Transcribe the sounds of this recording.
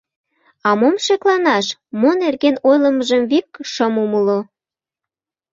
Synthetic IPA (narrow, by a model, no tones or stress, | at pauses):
ɑmomʃeklɑnɑʃmonerɣenojləməʒəmβik̚ʃəmuməlo